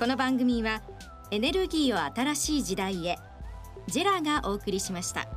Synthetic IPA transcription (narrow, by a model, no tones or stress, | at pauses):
ko̞no̞bãŋɡɯ̟mʲiβa | e̞ne̞ɾɯ̟ɡʲiːo̞at̪aɾaɕiːd͡ʑid̪aie̞ | d͡ʑeɾaɡaʔo̞ːkɯ̟ɾʲiɕimaɕi̥t̪a̰